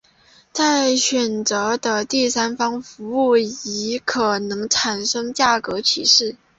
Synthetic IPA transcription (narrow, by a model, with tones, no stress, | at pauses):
t͡sa˥˩ɪɕɥɛ˨˩nt͡sɤ˧˥d̪ə˧t̪i˥˩sa˥nfɑ˥ŋfu˧˥u˥˩i˧˥kʰɤ˨˩nɤ˧˥ŋʈ͡ʂʰa˨˩nʂɤ˥ŋt͡ɕja˥˩kɤ˧˥t͡ɕʰi˧˥ʂɻ̩˥˩